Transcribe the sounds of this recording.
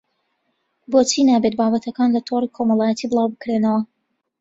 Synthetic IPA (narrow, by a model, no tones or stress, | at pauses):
boːt͡sʰiːnaːbet̪̚baːbɐt̪ʰɐkaːnlɐt̪ʰoːrikʰomɐlˠɑːjɛt̪ʰiːbɨlˠɑːwbɨkɾenɐwɐ